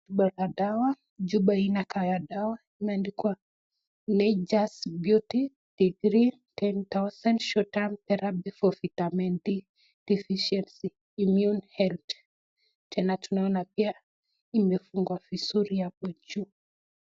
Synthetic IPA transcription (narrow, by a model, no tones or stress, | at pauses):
uɓalaɗawa | d͡ʒuɓainakajaɗawa | imɛandikwa | nɛd͡ʒasbjuti | d̥iɡɾi | tɛnt̪awsɛnʃɔtamt̪ɛɾabifɔfitamɛndi | d̥ifiʃɛnsiː | mjunhɛlt | tʰɛnatunaɔnapia | imɛfuŋɡwavisuɾijapɔd͡ʒuː